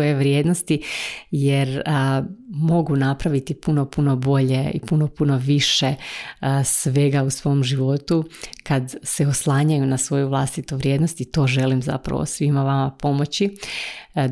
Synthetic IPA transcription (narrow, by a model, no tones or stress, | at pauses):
ojeʋɾjeːd̪nost̪ijeɾ | mo̞ɡunapɾaʋit̪ipuno̞puno̞bo̞ʎeḭpuno̞puno̞ʋiʃe | sʋe̞ɡausʋo̞mʒiʋo̞t̪ukad̪seoslˠaːɲajunasʋo̞juʋlˠast̪it̪uʋɾʲje̞ːd̪nost̪it̪o̞ːʒe̞limza̰pɾa̰ʋo̰sʋimaʋamapo̞mo̞t͡ɕi